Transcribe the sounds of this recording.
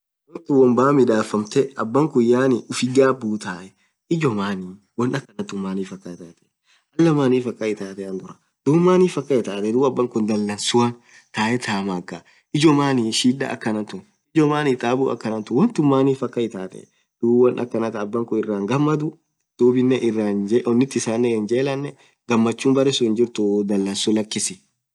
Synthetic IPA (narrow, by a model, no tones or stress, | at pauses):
wɔnt̪ʊwɐmbaːmɪᶑaːfːɐmt̪ɛɐbːɐŋkʊjaːnɪʔʊfɪɡaːbːuːt̪aːʔɛ | ɪd͡ʒɔmaːni | wɐnɐkːɐnɐt̪ːʊmːaːniːfɐkːɐɪt̪aːt̪ɛ̥ | ɐlːɐmaːniːfɐkʼːɐɪt̪aːt̪ɛɐnɡ̪ʊɾɐ̥ | d̪̥uːmːaːniːfɐkːɐɪt̪aːt̪ɛd̪uːɐbːɐŋkʊnd̪ɐlːɐnsʊwaːn | t̪aːʔɛt̪ʰaːmaːkːa | ɪd͡ʒɔmaːniʃiːᶑa̰ɐ̰kːɐnɐnt̪ʊ | ɪd͡ʒɔmaːnit̪ʼaːbuːɐ̰kːɐnɐnt̪ʊwɐnt̪ʊmmːaːniːfɐkʼːɐɪt̪aːt̪ɛ̰ | d̪̥uːwɐnʔɐ̰kːɐnɐt̪ɐːbːɐŋkʊɪrːaːŋɡɐmːɐd̪ʊ | d̪̥uːbɪnːɛʔɪrːaːnd͡ʒʔɔnːɪt̪ːɪɪsaːnːɛɪnd͡ʒe̞ːlɐnːɛ | ɡ̥ɐmːɐt͡ʃːuːmbɐɾɛsʊɪnd͡ʒɪɾt̪ʊd̪ɐlːɐnsʊlɐkːɪsɪ